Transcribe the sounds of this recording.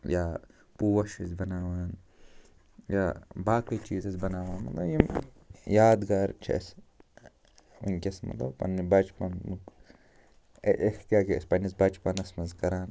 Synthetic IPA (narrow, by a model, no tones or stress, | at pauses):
jaː | puwɐʃizbɐnaːʋaːn | jabaːkɐt͡ʃiːzɐsbɐnaːʋaːnmɐ̰t̪lɐbjim | jaːd̪ɡaɾt͡ʃʰḛs | ṵŋkʲɐsmɐ̰t̪lɐ̰bpɐ̰nːibɐt͡ʃpɐnmuk | ʔekʰkaːkespɐnɐsbɐt͡ʃpɐnɐsmɐnzkɐɾaːn